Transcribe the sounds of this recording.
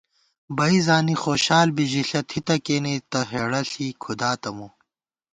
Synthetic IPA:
bɐizaːnixoːɕaːlbiʑiɬɐt̪ʰit̪ɐkeːnet̪ɐɦeːɽɐɬiːkʰud̪aːt̪ɐmu

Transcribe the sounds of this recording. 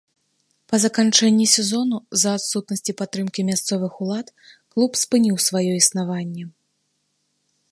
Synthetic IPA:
pɐzɐkant͡ʂɛnʲːisʲɛzɔnuzɐːt̪sut̪nɐsʲt͡sʲipat̪ːɾɨmkʲimʲast̪sɔvɨxulˠat̪klˠupspɨnʲiwsvajɔisnavanʲːɛ

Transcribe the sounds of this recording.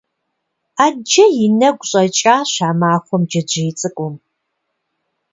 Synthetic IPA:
aːd͡ʒɐjɪnɐɡʷʊɕʼɐt͡ʃʼaːɕaːmaːxʷɔmd͡ʒɐd͡ʒejt͡sʼɨkʷʼʊm

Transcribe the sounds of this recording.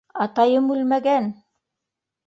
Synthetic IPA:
ɑt̪ɑjɤmʉlmæɡæn

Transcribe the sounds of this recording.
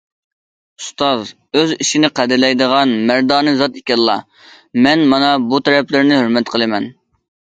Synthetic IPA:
ust̪ɑz | øziʃinɪqʰæd̪ɪɾlɛjd̪əʁɑnmæɾd̪ɑːnɨzɑt̪ikʲɛlːˠɑ̰ | mɛnmɑnɑbut̪ʰɛɾɛplɪɾnɪhøɾmɛt̪qʰəlˠɨmɛn

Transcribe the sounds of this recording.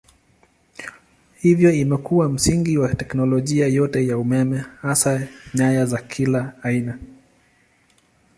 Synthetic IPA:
hivjɔimɛkuwam̩siŋɡiwatɛknɔlɔʄiajɔtɛjaumɛmɛhasaɲajazakʰilaːina

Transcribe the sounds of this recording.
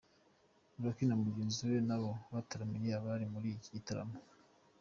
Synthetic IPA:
nβakinamuɟeːnziwenaβoβataɾamiɾiaβaɾimuɾiicitaɾa̰mo

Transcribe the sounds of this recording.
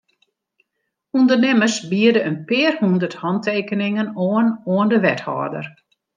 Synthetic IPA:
undərnɪməsbiədəənpɪːərhundərthɔntʰeːkənɪŋənoənoəndəʋɛthɔ̰ːrdə̰r

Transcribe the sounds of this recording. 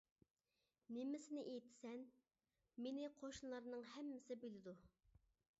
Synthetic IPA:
nɪmɪsɪnɪʔejt̪ʰɪ̥sɛn | menɪqʰoʃnlˠɑɾnɨŋhɛmːɪsɪbelɪd̪u

